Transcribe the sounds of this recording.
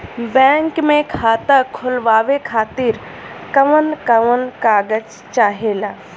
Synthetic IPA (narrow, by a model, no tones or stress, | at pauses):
bɛ̃ːŋkmẽkʰaːt̪əkʰʊlʋaːʋekʰaːt̪iɾ | kəʋənkəʋənkaːɡəd͡ʒ | t͡ʃaːɦeːlaː